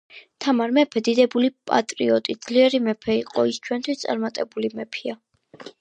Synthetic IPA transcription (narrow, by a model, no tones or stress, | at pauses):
t̪ʰamaɾmɛpʰɛd̪id̪ɛbulipʼa̰t̪ʼɾiɔt̪ʼid̪zliɛɾimɛpʰɛiqʼɔist͡ʃʰwɛnt̪ʰwist̪sʼa̰ɾmat̪ʼɛbulimɛpʰia